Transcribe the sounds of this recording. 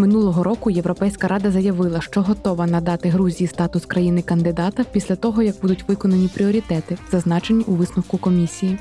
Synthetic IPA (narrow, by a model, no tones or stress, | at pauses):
mɪnulˠɔɦɔɾɔkʊjeʋwɾɔpɛjsʲkɐɾʔɑd̪ɐzɐjɐʋɪlˠɐʃt͡ʃɔɦɔt̪ɔʋɐnɐd̪ɑt̪ɪɦɾuzʲijist̪ɑt̪ʊskɾɐjinɪkɐnd̪ɪd̪ɑt̪ɐpʲisʲlʲɐt̪ɔɦɔjɐɡ̚bud̪ʊtʲʋɪkɔnɐnʲipɾʲiɔɾʲit̪ɛt̪ɪzɐznɑt͡ʃenʲːiʔuʋɪsnʊwkʊkɔmʲisʲiji